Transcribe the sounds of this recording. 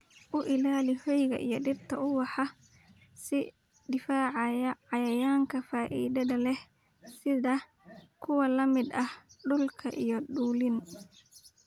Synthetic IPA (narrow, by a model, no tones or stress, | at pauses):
ʔʊʔɪlaːlɪhɔjɣɐ̰ʔḭjɞɖɪrt̪ʰɐʔʊwɑħɑ | sɪ | d̪ɪfaːʕɑjɐʕɑjɐjaːŋkʰɐfaːʔḭːðɐðɐlɛh | sɪðɐ | kʰʊwɐlɐmɪd̪ɐhɖʊlkʰɐʔijɞɖuːlɪn